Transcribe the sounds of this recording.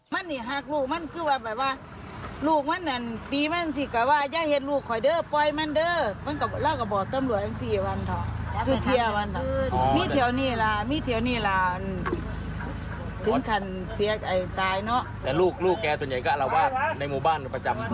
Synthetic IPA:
ma˧˥˨nːiː˧˩ɦaː˧˩k̚luː˧˩k̚ma˧˥˨nkʰɯː˧˥˨waː˧ba˨˩waː˧˨ | luː˧˩k̚ma˧˥˨nʔa˨nt̪iː˨ma˧˥˨nsi˧˩ka˧˩waː˧˩jaː˧˨k̚he˧t̪̬̚luː˧˩kʰːɔ˨˩jdɤː˧˥˨pɔ˧jma˧˥˨ndɤː˧˥˨ma˧˥˨ka˧˩laː˧˩wka˧˩bɔː˨˩t̪a˧˨mlu˧˩ət̚ʔa˧˨siː˧˩wa˧˨nt̪ʰa˧˩kʰɯː˧t̪ʰi˧əwa˧˨n˧miː˧˥˨t̪ʰi˧˩ə˨wniː˧˥˩laː˧miː˧˥˨t̪ʰi˧˩əwniː˧˩˨laː˨˧˩ʔa˨n | t̪ʰɯ˨˦ŋkʰa˧˩n | si˨˦ɐkʔa˨˩jt̪aː˨jnɔ˧˥ʔt̪ɛː˨˧˩luː˧˩k̚luː˧˩kːɛː˧su˨ənɲa˨˩jka˧˨la˧˩wbaː˧˩na˧˩jmuː˧˩baː˧˥˨npa˧t͡ɕa˨˦m

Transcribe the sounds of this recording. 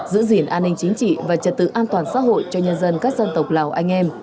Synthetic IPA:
zɨ̰˧˥zi˧˩ənʔaː˧nːï˧ŋ̟t͡ɕï˨˦ŋ̟t͡ɕḭ˧˨vaː˨˩t͡ɕə˨˩t̚t̪ɨ̰˧˨ʔaː˧nt̪waː˨˩nsa̰ː˧˥ɦo̰˧˨jt͡ɕɔ˧ɲə˧nzə˧nkaː˦˥k̚zə˧nt̪ə˨˩wk͡p̚laː˨˩wʔa˧jŋ̟ʔɛ˧m

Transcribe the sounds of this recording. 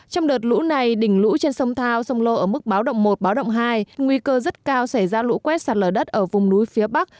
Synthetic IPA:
t͡ɕɔ˧wŋ͡mɗəː˨˩t̚lṵ˧˥na˨˩jɗï˧˩ŋ̟lṵ˧˥t͡ɕe˧nsə˧wŋ͡mt̪ʰaː˧wsə˧wŋ͡mlo˧ʔəː˧˩mɨ˦˥k̚ɓaː˨˦wɗə̰˧˨wŋ͡mmo˨˩t̚ɓaː˨˦wɗə̰˧˨wŋ͡mɦaː˧jŋwi˧kəː˧zə˦˥t̚kaː˧wsa˧˩jzaː˧lṵ˧˥kwɛ˦˥t̚saː˨˩t̚ləː˨˩ɗə˦˥t̚ʔəː˧˩vʊ˨˩ŋ͡mnu˨˦jfi˨˦əɓa˦˥k̚

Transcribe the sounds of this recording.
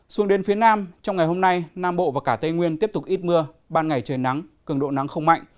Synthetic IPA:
swu˨˦əŋɗe˨˦nfi˨˦ənaː˧mt͡ɕɔ˧wŋ͡mŋa˨˩jho˧mna˧jnaː˧mɓo̰˧˨vaː˨˩kaː˧˩t̪ə˧jŋwi˧ənt̪i˦˥əp̚t̪ʊ˨˩k̚ʔi˦˥t̚mɨ˧ə | ɓaː˧nŋa˨˩jt͡ɕəː˨˩nːa˨˦ŋkɨ˨˩əŋɗo̰˧˨na˨˦ŋxə˧wŋ͡mma̰˧˨jŋ̟

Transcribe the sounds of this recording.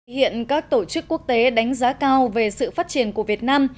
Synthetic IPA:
hḭ˧˨ənkaː˦˥k̚t̪o˧˩t͡ɕɨ˦˥kːu˦˥ək̚t̪e˨˦ɗa˨˦jŋ̟zaː˨˦kaː˧wve˨˩sɨ̰˧˨faː˦˥t̚t͡ɕi˧˩ənku˧˩əvi˨˩ət̚naː˧m

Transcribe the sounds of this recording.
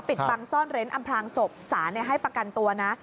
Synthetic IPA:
pi˨˩t̚pa˧ŋsɔː˥˩nɾe˦˥nʔa˧mpʰɾaː˧ŋso˨˩p̚saː˩˦na˧˩ɦa˥˩jpɾa˧ka˧nt̪u˧ɐna˦˥ʔ

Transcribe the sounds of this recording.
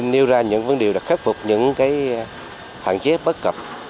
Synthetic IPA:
nɗi˧əwzaː˧ɲɨ̰˧˥ŋvə˨˧˦nɗe˨˩əɗa̰ː˨˥k̚xe˦˥t̚fʊ˨˩k͡p̚ɲɨ̰˧˥ŋkaː˨˦j | hwa̰ː˧˨nt͡ɕe˨˦ɓə˦˥t̚kə˨˩p̚

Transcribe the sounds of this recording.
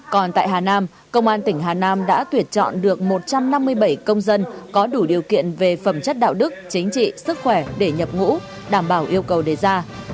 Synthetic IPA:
kɔ˨˩nt̪a̰ː˧˨jɦaː˨˩naː˧m | kə˧wŋ͡mʔaː˧nt̪ï˧˩ŋ̟ɦaː˨˩naː˧mɗa̰ː˧˥t̪wi˨˩ət̚t͡ɕɔ̰˧˨nɗɨ˨˩ək̚mo˨˩t̚t͡ɕa˧mna˧mːɨ˧əjɓə˧˩jkə˧wŋ͡mzə˧nkɔ˨˦ɗu˧˩ɗi˨˩əwkḭ˧˨ənve˨˩fə˧˩mt͡ɕə˦˥t̚ɗa̰ː˧˨wɗɨ˦˥k̚t͡ɕï˨˦ŋ̟t͡ɕḭ˧˨sɨ˦˥k̚xwɛ˧˩ɗe˧˩ɲə˨˩p̚ŋṵ˧˥ | ɗaː˧˩mɓaː˧˩wʔi˧əwkə˨˩wɗe˨˩zaː˧

